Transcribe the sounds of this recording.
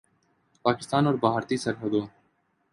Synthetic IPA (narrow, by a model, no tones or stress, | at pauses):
paːkɪ̥st̪aːnɔːɾbaːɦaɾt̪isɐɾɦəd̪oː